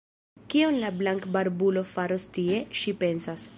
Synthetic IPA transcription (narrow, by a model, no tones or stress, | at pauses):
kionlablaŋkbaɾbulo̞faɾost̪ie̞ʃipe̞nsas